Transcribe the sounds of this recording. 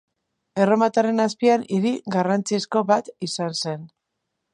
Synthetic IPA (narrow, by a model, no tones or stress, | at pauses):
e̞ro̞mat̪aɾe̞naspianiɾiɡarant͡sisko̞βat̪isanse̞n